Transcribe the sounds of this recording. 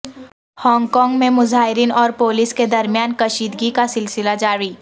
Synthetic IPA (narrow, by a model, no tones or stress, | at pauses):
hɔːŋɡkɔːŋɡmẽmʊzaːɦɪɾiːnɔːɾpoːlɪsked̪ɐɾmjaːnkɐʃiːd̪ɡikasɪlsɪlad͡ʒaːɾiː